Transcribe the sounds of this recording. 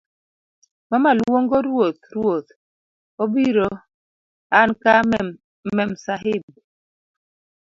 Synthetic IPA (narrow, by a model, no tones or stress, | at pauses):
mamalwwoŋɡɔɾwot̪̚ɾwot̪̚ | ɔbiɾɔ | anka | mɛmsaɦɪm